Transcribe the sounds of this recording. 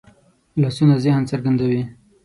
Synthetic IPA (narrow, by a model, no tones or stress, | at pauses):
lasunazɪhnt͡səɾɡand̪awi